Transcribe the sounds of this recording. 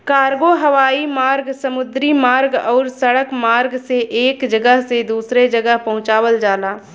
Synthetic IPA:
kaːɾɡoɦɐʋaːimaːɾɡsɐmʊd̪ɾimaːɾɡɔːɾsɐɽəkmaːɾɡseʔeːkd͡ʒɐɡəɦsed̪uːsɾed͡ʒɐɡəɦpɐɦʊ̃t͡ʃaːwəld͡ʒaːlaː

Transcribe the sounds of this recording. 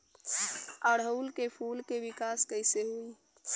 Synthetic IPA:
əɽɦəʊlkepʰulkeʋikaskəɪseɦui

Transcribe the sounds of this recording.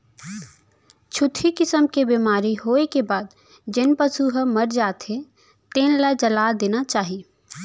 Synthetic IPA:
t͡ʃʰʊt̪ʰikɪsəmkebiːmaːɾiɦoːekebaːd̪ | d͡ʒɪnpəsuɦəmɐɾd͡ʒaːt̪e | t̪eːnlad͡ʒɐlaːd̪eːnat͡ʃaːɦieː

